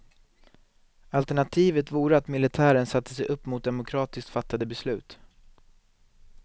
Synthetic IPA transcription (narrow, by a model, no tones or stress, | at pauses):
alt̪ɛɳat̪ʰiːvət̪vuːɾəat̪mɪlɪt̪ʰæːɾənsat̪ʰːəsɛjʔɵpːmʊt̪̚d̪ɛmʊkʰɾɑːt̪ɪskt̪fat̪ːad̪əbɛslʉ̟ːt̪